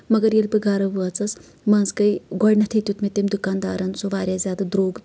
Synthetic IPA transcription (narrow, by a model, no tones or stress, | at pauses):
mɐɡɐɾjelpɨɡaːɾɐʋuɐt͡sɐs | mɐnzkɐjɡɔɽnɐt̪ʰit̪ʲut̪mit̪emd̪ukaːnd̪aːɾɐnsoʋaːɾʲjazʲaːd̪ad̪ɾoːɡ